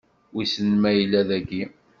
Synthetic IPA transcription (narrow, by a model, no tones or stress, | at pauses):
wisənmæjəlːæðæɡi